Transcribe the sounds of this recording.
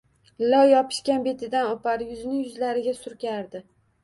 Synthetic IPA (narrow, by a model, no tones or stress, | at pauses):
lɒjːɒpʰɪ̥ʃkʲanbe̞t̪ʰɪd̪anopaɾjʊzɪnɪŋjʊzlaɾɪɡʲasʊɾkʲʰaɾd̪ɪ